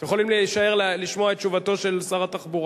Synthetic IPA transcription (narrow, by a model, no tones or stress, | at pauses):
jeχo̞limleʃae̞ʁlliʃmoaet̚t͡ʃuvato̞ʃe̞lsaʁat̪aχbuʁ